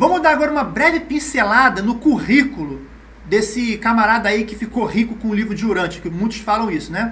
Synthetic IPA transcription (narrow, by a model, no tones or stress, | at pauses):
vɐ̃mʊzd̪aɾaɡɔɾɐũmɐbɾɛvɪpĩselad̪ɐnʊkuʁikʊlʊ | d̪esɪkamaɾad̪ɐaikɪfikohikʊkõũlivɾʊd͡ʒɪoɾɐ̃t͡ʃɪ̥kɪmũj̃t̪ʊ̥sfalɐ̃w̃isʊnɛ